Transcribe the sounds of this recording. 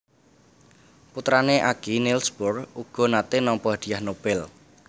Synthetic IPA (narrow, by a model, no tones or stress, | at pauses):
put̪ɾaneʔaɡ̥inilsbʊruɡ̥ɔ̤nat̪enɔmpɔad̪̥i̤ahnob̥ɛl